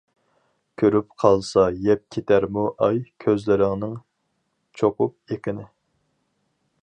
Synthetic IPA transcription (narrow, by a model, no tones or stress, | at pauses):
kʲʰøɾyp̚qʰɑlˠsɑjɛp̚kʲʰet̪ʰæɾmuʔɑjkʲʰøzlɪɾɪŋnɪŋ | t͡ʃʰoqʊp̚ekʲɪnɪ